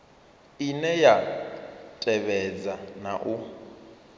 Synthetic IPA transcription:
inɛja | tʼɛβɛd͡zanaʔu

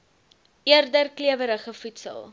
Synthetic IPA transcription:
ʔiərdərkliəvəɾəχəfutsə̰lˠ

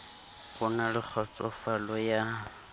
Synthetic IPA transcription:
ɣʊnalɪk͡xʰɔt͡sʼɔfalɔja

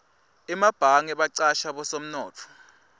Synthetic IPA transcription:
imab̥ʱaŋɛɓaǀaʃaɓɔsom̩nɔːt͡fʰɔ̥

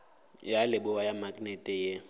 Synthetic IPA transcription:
jalɪbʊwajamaknɛtʼɛje

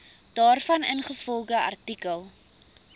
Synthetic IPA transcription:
d̥ɑːrfɐnənχəfɔlˠdəʔɐ̰rtikəlˠ

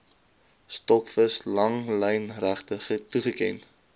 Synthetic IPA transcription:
stɔkfəslɐŋləjnræχtəχətuχəkɛ̰n

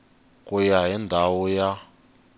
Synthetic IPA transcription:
kʼujaɦindʱawɔja

